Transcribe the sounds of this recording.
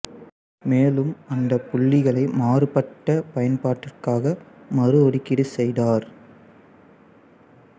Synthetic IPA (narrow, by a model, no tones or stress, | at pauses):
meːlɯmɐnd̪ɐpʊɭːɪɣɐɭɐɪmaːrɯpɐʈːɐpɐjɐnpaːʈːɪrkaːɣɐmɐrɯɔɽɪkːɪɽɯsɛjðaːɾ